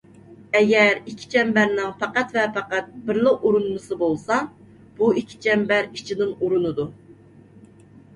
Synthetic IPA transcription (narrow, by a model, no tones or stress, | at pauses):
ɛɡʲɛɾikʲʰːi̥t͡ʃʰɛmbæɾnɪŋpɛqæt̪vɛpɛqæt̪̚bɪɾlɨquɾunmɨsɨbolˠsɑ | b̥uikʲʰːi̥t͡ʃʰɛmbæɾit͡ʃʰid̪ɪnuɾunɨd̪u